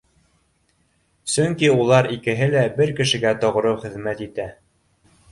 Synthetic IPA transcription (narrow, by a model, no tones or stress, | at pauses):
sɵŋkiulˠɑɾikɘ̆ɦɘlæbɘɾkɘ̆ʃɘ̆ɡæt̪ŏʁɾɤwχɘ̆ðmæt̪it̪æ